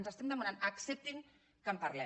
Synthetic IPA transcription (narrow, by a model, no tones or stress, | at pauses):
nzəst̪ɛmd̪əmananɐksɛp̚t̪iŋ | kəmpɐɾlɛ